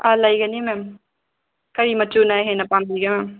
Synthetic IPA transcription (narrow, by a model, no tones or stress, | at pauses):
alajɡɐnimem | kɐɾimɐtunajɦenɐpambiɡɐmɛm